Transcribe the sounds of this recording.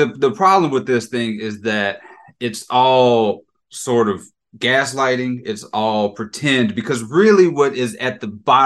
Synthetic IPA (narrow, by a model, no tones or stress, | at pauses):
ɨðɨpʰɹ̥ɑblə̃mwəðɪsθɪ̃ŋɪzðɨɾ | ɨtsɔlˠ | sɔɹɾʌv | ɡæslaɪɾɪ̃ŋɪtsɔlˠpʰɹ̥ɨtʰɛ̃nbɨkʰʌzɹɪlˠiwʌɾɪzɨt̪̚ðɨbɑ